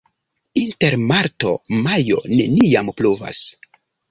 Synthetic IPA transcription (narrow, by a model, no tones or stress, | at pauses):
inte̞ɾmaɾto̞̰majo̞̰ne̞nijampluva̰s